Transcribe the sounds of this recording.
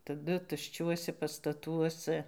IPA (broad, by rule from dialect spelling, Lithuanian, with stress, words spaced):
tɐˈdʊ tʊʃʲˈt͡ʃʲuɔsʲɛ pɐstɐˈtuɔsɐ